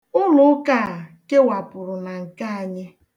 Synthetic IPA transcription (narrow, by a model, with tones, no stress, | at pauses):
ʊ˦lʊ˦ʊ˦ka˦˨ke˦wa˨pʊ˨ɾʊ˨na˨ŋ̩˨ka˦a˨ɲɪ˦